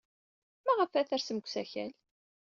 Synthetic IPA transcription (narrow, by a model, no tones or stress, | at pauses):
mæʁəfæθæɾsəməkʷsæçæ̰l